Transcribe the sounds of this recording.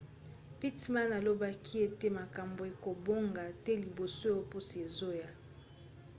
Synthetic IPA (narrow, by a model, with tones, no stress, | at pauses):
pi˦tma˦na˨lo˦ba˦kʰi˦e˦te˦ma˨ka˨mbo˨e˨ko˨bo˦ŋɡa˨tɛ˦li˨bo˨so˦jo˦pu˦si˨e˨zo˦ja˨